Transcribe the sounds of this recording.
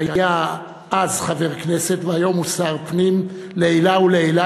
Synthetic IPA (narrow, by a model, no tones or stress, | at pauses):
ajaja | ʔazχave̞ʁkne̞se̞t̪veajo̞musaʁpnim | leelauleela